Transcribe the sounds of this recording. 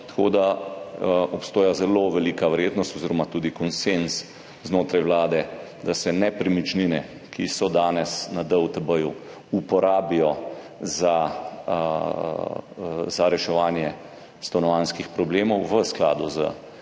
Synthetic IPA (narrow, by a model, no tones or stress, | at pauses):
t̪ḁkoːd̪a | ɔpst̪oːjazɛloʋɛliːkaʋəɾjeːd̪nɔst̪oziːɾɔmat̪uːd̪ikɔnsens | znoːt̪ɾajwlaːd̪ɛd̪asɛnɛpɾimit͡ʃninɛ | kʰisɔd̪aːnɛsnad̪əwt̪əbəju | upɔɾaːbijɔ | za | zaɾɛʃɛʋaːnjɛ | st̪ɔnɔʋanskixpɾɔbleːmɔwʋəskla̰ːd̪uzə̰